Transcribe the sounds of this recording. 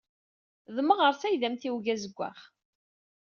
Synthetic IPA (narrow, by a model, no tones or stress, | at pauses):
ðəmːəʁəɾˤθæjðæmθiwʝæzəɡʷːa̰χ